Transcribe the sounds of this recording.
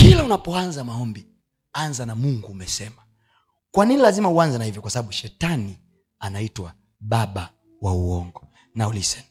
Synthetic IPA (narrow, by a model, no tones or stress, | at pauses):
kilaunapɔanzamaɔmbi | anzanamuŋɡuːmɛsɛma | kwaninilazimauanzɛnahivjɔkwasaɓaɓuʃɛtani | anaitwa | ɓaɓa | wauɔŋɡɔ | naulisɛnma